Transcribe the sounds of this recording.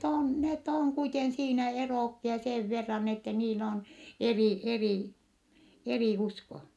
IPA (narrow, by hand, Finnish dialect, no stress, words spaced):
on net oŋ kuiten siːnæ eroˑkːiɑ seːʋ ʋerːɑn etːɛ niːl on eriˑ eriˑ eriˑ usko